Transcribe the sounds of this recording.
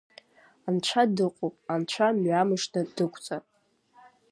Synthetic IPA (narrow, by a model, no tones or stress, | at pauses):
ant͡ʃʷʰadɨqʼopʼant͡ʃʷʰamɥamɨʂnɨdɨkʷʰʼt͡sʼapʼ